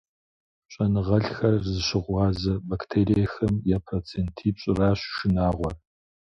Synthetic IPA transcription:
ɕʷʼɐnɨʁɐɬxɐrzɨɕɪʁʷɑːzɐbaktʰeːɾijɐxɐmjɛpʰroːt͡sʰeːntʰiːpɕʼɪraːɕʃɪnaːʁʷɔr

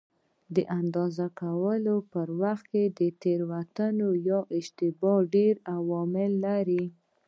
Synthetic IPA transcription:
d̪əʔand̪ɑzakawəlopəɾwaxt̪̚ked̪ət̪eɾwat̪ənojɑʔɪd͡ʒt̪ɪbɑɖeɾawɔmɪlːaɾi

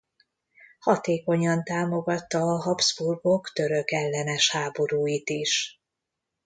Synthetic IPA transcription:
hɒt̪eːko̞ɲɒnt̪aːmo̞ɡɒt̪ːɒːɦɒbz̥burɡo̞kt̪ø̞ɾø̞kɛlːɛnɛʃhaːbo̞ɾuːjit̪iʃ

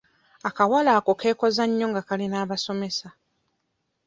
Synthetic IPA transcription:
akawalaːko̞kʰe̞ːko̞zaɲːoŋɡakalinaːβaso̞me̞sa

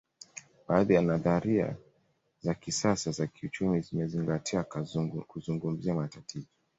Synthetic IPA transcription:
baːðijanaðaɾia̰ | zakisasazakiut͡ʃumizimɛziŋɡatʰiakuzuŋɡum̩ziamatatʰizɔ

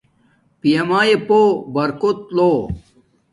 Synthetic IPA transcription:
pijɐmaːjepobɐɾkot̪̚loː

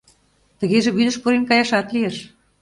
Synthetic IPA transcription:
t̪ə̆ɣeʒĕβyd̪ə̆ʃpuɾenkɑjɑʃɑt̪lieʃ

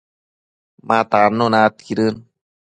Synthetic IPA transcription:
mat̪anːunat̪kiɾɯn

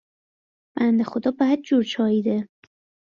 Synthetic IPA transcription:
b̥ænd̪e̞xo̞d̪ɒːbææt̪̚d͡ʒuɾt͡ʃʰɒːiːd̪e

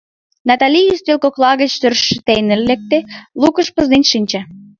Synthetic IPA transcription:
nɑt̪ɑlʲijist̪ølkoklɑɣə̆t͡ɕt̪ørʃːə̆t̪ejnəlːek̚t̪elukəʃpə̆znenʲʃinʲt͡ɕɑ

